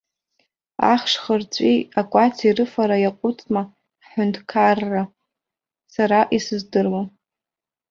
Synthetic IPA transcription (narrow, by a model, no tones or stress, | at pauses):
a̰χʂχərt͡sʷʼiakʷʼat͡sʰirɨfaɾajaqʷʼʊt͡sʼma | ħʊntʰkʰarːa | saɾaʔisɨzdɨrwa